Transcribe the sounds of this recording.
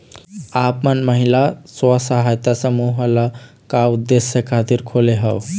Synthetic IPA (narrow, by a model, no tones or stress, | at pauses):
apmənməɦilaswəsəɦajt̪asəmuɦəla | kaud̪ːesjəkʰat̪iɾkʰoleɦəʊ